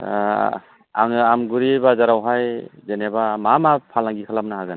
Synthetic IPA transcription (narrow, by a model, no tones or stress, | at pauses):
a̰ŋamɡuɾibazaɾawɦajzenebamamapʰalaŋɡikʰalamnaɦaɡan